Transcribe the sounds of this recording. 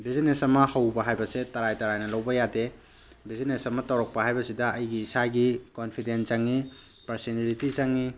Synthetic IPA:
bizinesɐmɐhɐwbɐɦajbɐsetɐɾajtɐɾajnɐlɐwbɐjade | bizinesɐmɐtawɾɔk̚pɐɦajbɐsidɐɐjɡiːsaɡikonpʰidenzaŋːi | pɐɾsinalitizaŋːi

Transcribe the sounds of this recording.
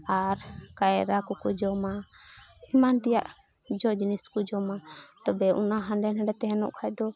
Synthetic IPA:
aɾkajɾakɔkɔd͡ʒɔma | imant̪ɛjaʔ | d͡ʒɔd͡ʒiniskɔd͡ʒɔmat̪ɔbɛunaɦãɳɖɛnɦɛɖɛt̪ɛɦɛnɔ̰ʔkʰajd̪ɔ

